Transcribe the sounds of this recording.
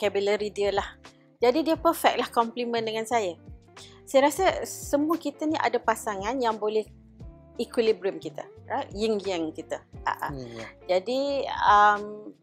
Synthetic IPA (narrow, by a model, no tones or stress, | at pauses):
kɛbiləɾidiəlah | d͡ʒadidiəpərfɛk̚lahkɔmplimə̃ndəŋansajə | sajəɾasəsəmũəkit̪əniʔa̰dapasaŋanjaŋbolɛh | ikwilibɾiəmkit̪a̰jəŋjəŋkit̪əa̰ʔa̰d͡ʒadiəm